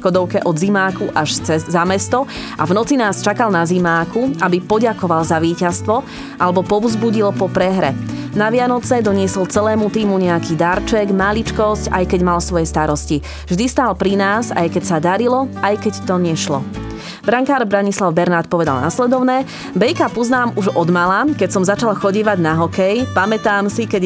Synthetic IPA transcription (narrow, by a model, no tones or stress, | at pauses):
kɔd̪ɔʊkɛʔɔd̪zimaːkuʔaʃt͡sɛːamɛst̪ɔ | ʔa̰vnɔt͡sinaːst͡ʃakalnazimaːkuabipɔɟakɔʋalzaʋiːcast̪ʋɔ | ʔalɛbɔpɔʊzbuɟilpɔpɾɛɦɾɛnaʋɪanɔt͡sɛd̪ɔɲɪɛsɔlt͡sɛlɛːmut̪iːmuɲɛakid̪aɾt͡ʃɛɡmalit͡ʃkɔsca̰jkɛɟmalsʋɔjɛst̪aɾɔsci | vʒd̪ist̪aːlpɾinaːsa̰jkɛcsad̪aɾilɔʔajkɛct̪ɔɲɛʃlɔ̰ | bɾaŋkaːɾbɾaɲislaʊbɛɾnaːt̪̚pɔʋɛd̪a̰lnaslɛd̪ɔʊnɛː | bɛjkapɔznaːmuʒɔd̪malakɛcsɔmzat͡ʃalxɔɟiːʋaɟnaɦɔkɛjpamɛt̪aːmsikɛ